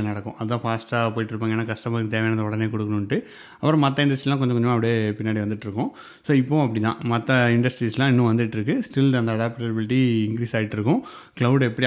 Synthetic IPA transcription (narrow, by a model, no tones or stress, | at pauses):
nɐɽɐkːʊ̃ʔɐðɯt̪ãːfaːsʈaːpoːjɪʈːɪɾɯpːaːŋɡɐnːaːkɐʂʈɐmaːɾkːɯt̪eːʋɛjnɐðɐɔɽɐneːkɔɽɯkːɐɳʊɳʈːɯ | ɐpːɯɾɔ̃mɐt̪̬ːɐɪ̃ɳɖɐsʈɾilːãːk̬ɔɲd͡ʒɔɐkːɔɲd͡ʒɐmaːpːʋɐɽeːpɪnːaːɽiʋɐnd̪ɯʈːɪɾɯkːʊ̃ | soːɪpːõɐpːɐɽit̪ãːmɐt̪ːɐɪɳɖɐsʈɾislãːɪnːʊ̃ʋɐnd̪ɯʈːɪɾɯkːɯsʈɪlɐnd̪ɐɐɽaːpʈebɪlɪʈːiɪŋkɾiːsaːɪʈːɪɾɯkːʊ̃ | klɐʊɖɛpːɐɽi